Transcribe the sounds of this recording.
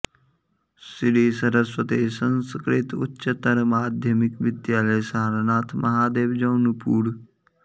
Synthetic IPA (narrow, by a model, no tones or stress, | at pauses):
sɪɽiːsɐɾəswət̪eːsə̃nskɾɪt̪ʊ̰tːʃət̪əɾmaːd̪ʱjəmɪkʋɪd̪jaːləjsaːɾnaːt̪ʰmʔɐɦaːd̪eːʋd͡ʒɐːnupuːɽ